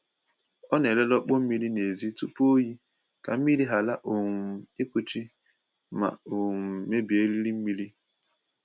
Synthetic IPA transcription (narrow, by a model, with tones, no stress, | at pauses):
ɔ˦ne˨le˦lɔ˦k͡po˦m̩˦mi˦ɾi˦ne˨zi˦tu˦pu˦o˦ji˦ | ka̰˨m̩˦mi˦ɾi˦ɦa˨la˦ʔo˨ŋ̩˨i˦kʷu˦t͡ʃi˦ | ma̰˨o˨ŋ˨me˦bi˨e˦li˦ɾi˦m̩˦mi˦ɾi˦